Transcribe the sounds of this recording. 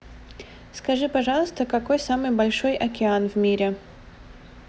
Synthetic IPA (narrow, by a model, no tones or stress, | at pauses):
skɐʐɨpɐʐɑlˠəst̪əkɐko̞jsamɨjbɐlʲʂojʔɐkʲɪanvmʲiɾʲɪ